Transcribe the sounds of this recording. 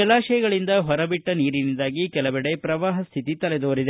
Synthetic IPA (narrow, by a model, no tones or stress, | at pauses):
ɐlaːʃɐjɐɡɐɭind̪ɐɦɔɾɐbiʈːɐniːɾinid̪aːɡikɛlɐbɛɽe̞pɾɐʋaːɦɐst̪ʰit̪it̪ɐled̪oːɾid̪e